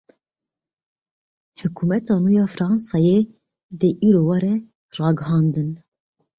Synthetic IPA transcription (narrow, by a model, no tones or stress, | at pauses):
hʊkʰuːmɛt̪ɑːnuːjɑːfɾɑːnsɑje | d̪əʔiːɾoːwɑɾɛ | rɑːɡəɦɑːnd̪ɨn